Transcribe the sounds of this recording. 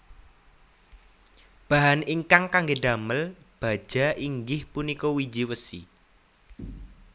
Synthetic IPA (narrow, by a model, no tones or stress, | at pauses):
b̥a̤ɦaniŋkaŋkaŋɡeɖa̤məl | b̥a̤̥ʒ̥a̤iŋɡɪhpunikɔwi̥d͡ʒiwəsḭ